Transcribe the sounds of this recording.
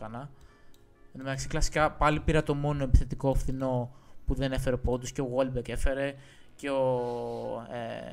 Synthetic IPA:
ɐnɐ | nmet̪ɐksi̥klɐsi̥kɐpɐlipiɾɐt̪o̞mo̞no̞e̞pi̥θe̞t̪iko̞ɐfθino̞puðe̞nefe̞ɾeopo̞t̪usce̞oɣolbeke̞fe̞ɾe̞ | ce̞o

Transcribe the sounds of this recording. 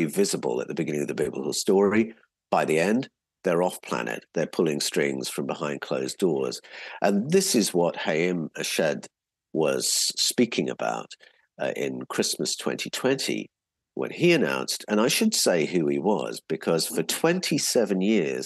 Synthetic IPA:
ivɪzəbə̰lˠə̰ʔ̪̚ðəbɨɡɪ̃ñɪ̃ŋʌvðəbjɪbləkl̩ˠstɔɹi | b̥aɪðiɛ̃n | ðə˞ɔfpʰl̥æ̰nɨ̰t̪̚ðə˞pʰʊlˠɪ̃ŋstɹ̥ɪ̰̃ŋz̥fɹʌ̃mbɪhãɪ̃nd̚kʰl̥oʊzdɔɹz̥ʔə̃nðɪsɨzwʌt̚heɪɪ̃mɨʃɛd | wʌz̥spikʰɪ̃ŋɨ̰ba̰ʊɾ | ɪ̰̃nkʰɹ̥ɪsməstʰw̥ɛ̰̃ntʰitʰw̥ɛ̃ntʰḭ | wʔə̰̃niɨnã̰ʊ̃nstʰɨ̃ñaɪʃɨd̥seɪɦʉiwʌ̰zb̥ɨkʰʌz̥fə˞tʰw̥ɛ̃ntʰisɛvɨ̃njɪɹz̥

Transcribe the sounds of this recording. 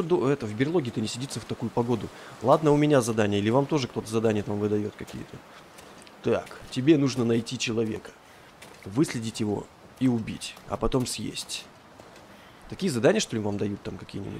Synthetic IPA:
od̪oɛt̪əvbʲɪrlˠoɡʲɪt̪ɨnʲɪsʲɪdʲit̪səft̪ɐkujʊpɐɡo̞d̪ʊlˠad̪nəʊmʲɪnʲazɐd̪anʲɪjəilʲɪvamt̪o̞ʐɨkt̪o̞t̪əzɐd̪anʲɪjət̪amvɨd̪ɐjo̞t̪kɐkʲḭjə̰t̪ə | t̪aktʲɪbʲe̞nuʐnənɐjtʲit͡ɕɪlˠɐvʲe̞̰kə̥ | vɨsʲlʲɪdʲɪtʲjɪvo̞̰ | iʊbʲḭtʲɐ̰pɐt̪o̞msʲjḛsʲtʲ | t̪ɐkʲijəzɐd̪anʲɪjəʂt̪olʲɪvamd̪ɐjut̪ːamkɐkʲijənʲɪ̰bʊ̰tʲ

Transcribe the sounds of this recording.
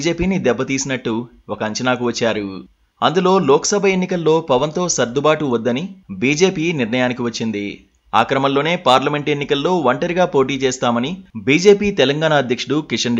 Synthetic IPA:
d͡ʒe̞ːpiːnid̪ɛbːɐt̪iːsinɐʈːu | ɔkɐɐɲt͡ʃɐnaːkuʋɐt͡ʃːaːɾu | ɐnd̪ulo̞ːlɔːkɐ̥sɐbʱɐe̞nːikɐlːo̞ːpɐʋɐnt̪o̞ːsɐɾd̪ubaːʈuʋɐd̪ːɐnibiːd͡ʒe̞ːpiːniɾnɳɐjaːnikiʋɐt͡ʃːind̪i | a̰ːkɾɐmɐllo̞ːne̞ːpaːɾlɐme̞ɳʈe̞nːikɐlːo̞ːʋɐɳʈɐɾiɡaːpo̞ːʈ̬iːt͡ʃeːst̪aːmɐnibiːd͡ʒe̞ːpiːt̪ɛlɐŋɡaːnaːɐd̪ʱjɐkʂuɽukiʂɐn

